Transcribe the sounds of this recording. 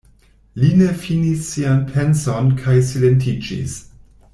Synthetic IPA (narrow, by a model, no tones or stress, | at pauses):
linefinisːianpʰɛnsɔnkʰajsilentʰid͡ʒḭs